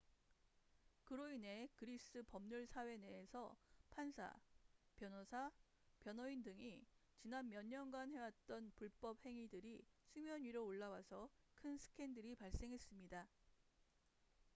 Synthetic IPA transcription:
kɯɾoine̞kɯɾis͈ɯpʌmɲuɭsʰawe̞neːsʰʌpʰansʰa̰pjʌnosʰa | pjʌnʌindɯŋit͡ɕinanmjʌɲːʌnɡanɦe̞wat̚t͈ʌnpuɭp͈ʌp̚he̞ŋidɯɾisʰumjʌɲiɾoːɭːawasʰʌkʰɯnsʰɯ̥kʰe̞ndɯɾipaɭs͈e̞ŋɦe̞s͈ɯmɲida

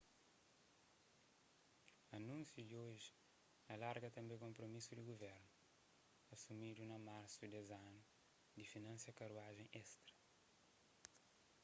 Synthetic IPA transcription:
ɐnũnsjud̪ioʒi | ɐlaɾɡɐt̪ɐ̃mbekõmpɾomisud̪iɡuvɛɾnu | ɐsumid̪unɐmaɾsud̪ezanu | d̪ifinɐ̃nsjɐkɐɾuaʒẽj̃ʔɛst̪ɾɐ̥

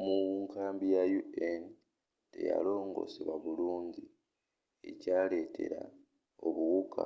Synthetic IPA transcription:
muŋkʰaːmbijajuen | te̞̰ja̰lo̞ːŋɡo̞̰siβaβuluːɲɟi | e̞caːle̞ːtʰe̞̰ɾa̰ | oβuɣukʰa̰

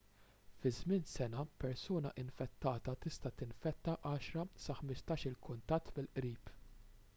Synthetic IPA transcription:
fɪzmɪnsɛnɐpɛɾsuːnɐʔɪnfɛt̪ːɐːt̪ɐt̪ɪst̪ɐt̪ɪnfɛt̪ːɐʔɐːʃɾɐsɐħmɪst̪ɐːʃɪlkʊnt̪ɐt̪ːmɪlʔɾiːp

